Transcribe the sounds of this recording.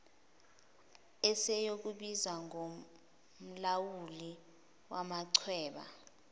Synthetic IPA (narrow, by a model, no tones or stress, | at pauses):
ɛsɛjok̬uɓizwaŋo | m̩lawuli | wamaǀʰwɛːɓa̰